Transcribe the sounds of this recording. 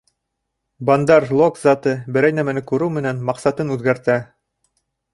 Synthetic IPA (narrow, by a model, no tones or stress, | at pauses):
bɑnd̪ɑɾlˠokzɑt̪ɤbɘ̆ɾæjnæmænɘkʉɾɘwmɘ̆nænmɑqsɑt̪ɤnʉðɡæɾt̪æ